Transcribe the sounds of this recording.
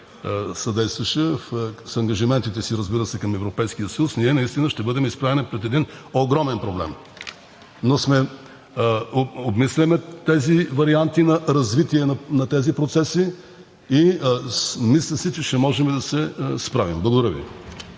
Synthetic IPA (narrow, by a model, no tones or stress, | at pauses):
sɐd̪ɛjst̪vɐʃɛfsɐŋɡɐʒimɛnt̪it̪ɛsiɾɐzbiɾəsɛkɐmɛvɾopɛjskijəsəjusniɛnɐist̪inəʃt̪ɛbɤd̪ɛmispɾavɛnipɾɛt̪ɛd̪inoɡɾɔmɛnpɾoblɛ̰m | nosmɛ | obmislʲɛmɛt̪ɛzivɐɾiant̪inɐɾɐzvit̪iɛnɐnɐt̪ɛzipɾot̪sɛsi | i | mislʲəsit͡ʃɛt͡ʃɛmɔʒɛmɛd̪ɐsɛspɾavimblˠɐɡod̪ɐɾəvḭ